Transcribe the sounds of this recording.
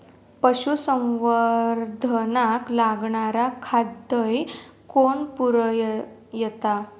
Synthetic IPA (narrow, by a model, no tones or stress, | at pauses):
pəɕusəwʋəɾd̪ʱənaklaɡɳaɾakʰad̪əj | koɳpuɾəj | jɛt̪a